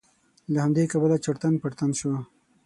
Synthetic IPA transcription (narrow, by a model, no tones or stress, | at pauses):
lahamd̪ekabəlat͡ʃaɽt̪anpaɾt̪anʃo